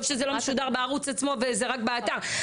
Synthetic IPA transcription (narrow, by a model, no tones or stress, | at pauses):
vʃezelo̞meʃud̪aʁbeaʁut͡sat͡smo̞vezeʁakbeat̪aʁ